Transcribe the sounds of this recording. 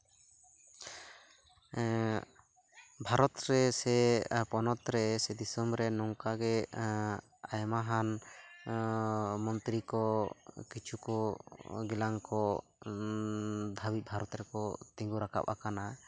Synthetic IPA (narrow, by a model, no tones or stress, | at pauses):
bʱaɾɔt̪ɾɛsɛpɔnɔt̪ɾɛsɛd̪isɔmɾɛnɔŋkaɡɛ | ajmaɦan | mɔnt̪ɾikɔkit͡ʃʰukɔɡilaŋkɔ | d̪ʱawit̪̚ˀbʱaɾɔt̪ɾɛkɔt̪iŋɡuɾakʰa̰p̚a̰kana